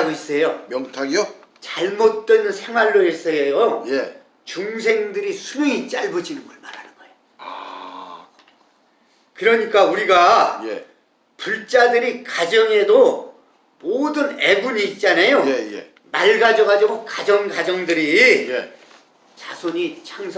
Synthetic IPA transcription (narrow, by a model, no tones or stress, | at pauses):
ɡois͈ʌjomjʌŋtʰaɡio | t͡ɕaɭmot̚t͈we̞nnsʰe̞ŋɦwaɭːois͈ʌejoje | t͡ɕuŋsʰe̞ŋdɯɾisʰueŋit͡ɕ͈aɭbud͡ʑinɯnɡʌɭmaɾanɯnɡ̥ʌejo | a | kɯɾʌɲik͈auɾiɡaje | puɭt͡ɕ͈adɯɾikad͡ʑʌŋe̞do | modɯne̞buɲiːt̚t͡ɕ͈anajoejḛ | maɭɡad͡ʑʌɣad͡ʑiɡokad͡ʑʌŋɡad͡ʑʌŋdɯɾije | t͡ɕasʰoɲit͡ɕʰaŋsʰ